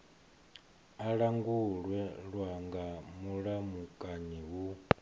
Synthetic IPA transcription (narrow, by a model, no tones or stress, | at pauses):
aɺaŋɡuɺwɛɺwaŋɡamuɺamukʼaɲiɦu